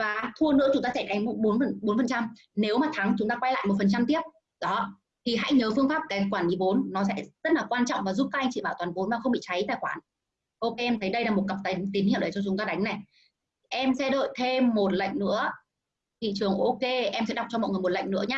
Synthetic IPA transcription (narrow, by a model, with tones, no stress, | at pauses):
vaː˨˩t̪ʰu˧ənɨ̰˧˥ət͡ɕʊ˨˦ŋ͡mt̪aː˧sɛ˧˩ka˨˦jŋmo˨˦ɓo˨˦nə˨˩ɓo˨˦nfə˨˩t͡ɕa˧m | ne˨˦wmaː˨˩t̪ʰa˨˦ŋt͡ɕʊ˨˦ŋ͡mt̪aː˧kwa˧jla̰ː˧˨jmo˨˩fə˨˩nt͡ɕa˧mt̪i˦˥əp̚ | ɗɔ˨˦ | t̪ʰi˨˩ɦa̰˧˥jɲəː˨˦fɨ˧əŋfaː˦˥p̚kaː˨˦jkwaː˧˩nɗi˨˦vo˨˦nːɔ˨˦sɛ̰˧˥z̥ə˦˥t̚laː˨˩kwaː˧nt͡ɕɔ̰˧˨wŋ͡mvaː˨˩zu˦˥p̚kaː˦˥k̚ʔa˧jŋ̟t͡ɕḭ˧˨ɓaː˧˩wt̪waː˨˩nvo˨˦nmaː˨˩xə˧wŋ͡mɓḭ˧˨t͡ɕa˨˦jt̪aː˧˩jkwaː˧˩n | ʔo˧ke˧ʔɛ˧mt̪ʰə˨˦jɗə˧jlaː˨˩mo˨˩t̚kə˨˩p̚t̪a˨˦ŋt̪i˨˦nhḭ˧˨wɗə˨˧˩t͡ɕɔ˧t͡ɕʊ˨˦ŋ͡mt̪aː˧ɗa˨˦jŋ̟na˨˩j | ʔɛ˧msɛ̰˧˥ɗə̰˧˨jt̪ʰe˧mːo˨˩t̚lə̰˧˨jŋ̟nɨ̰˧˥ə | t̪ʰḭ˧˨t͡ɕɨ˨˩əŋʔo˧ke˧ʔɛ˧msɛ̰˧˥ɗa˨˩k͡p̚t͡ɕɔ˧mɔ̰˧˨jŋɨ˨˩m˨˩tlə̰˧˨ŋ̟nɨ̰˧˥əɲaː˧